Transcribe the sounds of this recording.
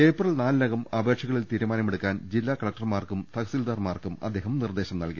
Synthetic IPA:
eːprɐɭnaːlɨnɐɣɐmɐbe̞ːkʂʰɐɣɐɭilt̪iːɾumaːnɐmeɽukːaːnd͡ʑilːaːkɐɭɐk̚ʈɐrmaːrkumt̪ʰɐɣɐsild̪aːrmaːrkumɐ̰d̪ːe̞ːɦɐmnird̪eːɕɐmnɐ̰lki

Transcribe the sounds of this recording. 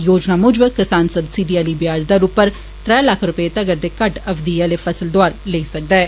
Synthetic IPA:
joːd͡ʒnaːmʊd͡ʒbəkɪsaːnsəbsiɖiːɛːliːbɪjaːd͡ʒd̪aːɾuːpːəɾ | t̪ɾɛːlakʰɾʊpəet̪əɡəɾd̪eːkəʈəfd̪iɛːleːfəsəld̪oaːɾleisək̚d̪aɛː

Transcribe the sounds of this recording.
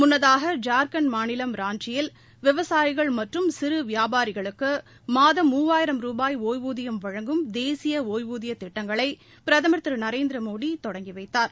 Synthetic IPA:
mʊnːɐðaːɣɐd͡ʒaːɾkɐnmaːnɪlɐmɾaːnt͡ʃɪjɪl | ʋɪʋɐsaːjɪɣɐɭmɐʈrɯmsɪɾɯʋɪjaːbaːɾɪɣɐɭɯkːɯ | maːðɐmuːʋaːjɪɾɐmɾuːbaːjoːjʋuːðɪjɐmʋɐɻɐŋɡɯmd̪eːsɪjɐoːjʋuːðɪjɐt̪ːɪʈːɐŋɡɐɭɐɪ | pɪɾɐðɐmɐɾt̪ɪɾɯnɐɾeːnd̪ɪɾɐmoːɽit̪ɔɽɐŋɡiʋɐɪt̪ːaːɾ

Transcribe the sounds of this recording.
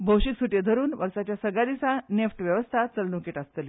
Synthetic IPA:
bʱowɕiːt̪suʈjed̪ʱəɾuːnʋəɾsat͡ɕjasəɡɭad̪isanefʈʋjəʋəst̪ʰat͡səlnũkiʈast̪əli

